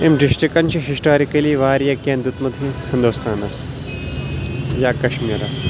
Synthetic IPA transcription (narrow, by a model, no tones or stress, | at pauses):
emɖisʈikɐnt͡ʃiɦisʈoːɾikɐliːʋaːɾjɐkẽːnd̪jut̪mɐd̪ʱjihɐnd̪oːst̪ʰaːnɐs | jaːkɐʃmiːɾɐs